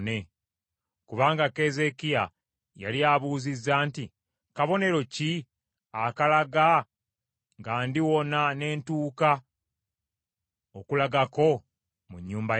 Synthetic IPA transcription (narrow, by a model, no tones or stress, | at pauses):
ne | kuβaːŋɡake̞ze̞kija | ja̰lijaβuːzizːaːnti | kaβo̞ne̞ɾo̞ci | akalaɡa | ŋɡaːndiwo̞nane̞ːntuːka | okulaɡako̞ | muɲːuːmba